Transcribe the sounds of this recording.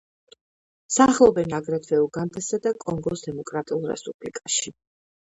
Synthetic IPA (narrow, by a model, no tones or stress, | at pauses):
saːχlˠɔbɛnaɡɾɛt̪ʰvɛuɡand̪ɛsad̪akʼɔŋɡɔsd̪ɛmɔkʼɾat̪ʼiulˠɾɛ̰spʼub̥likʼaʃi